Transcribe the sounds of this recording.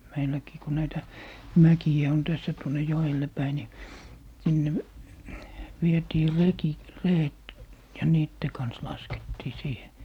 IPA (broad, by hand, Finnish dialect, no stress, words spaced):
meilːækiː ku næitæ mækiæ on tæsːæ tuonˑe joelːe pæi ni sinːe ʋietiː reki reːet jɑ niːtːe kɑns lɑsketːiː siːhe